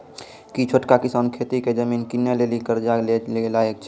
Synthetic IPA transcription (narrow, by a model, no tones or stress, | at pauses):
kit͡ʃʰoʈkakɪsankʰet̪iked͡ʒəminkinːelelikəɾd͡ʒaleelaek̚t͡ʃʰ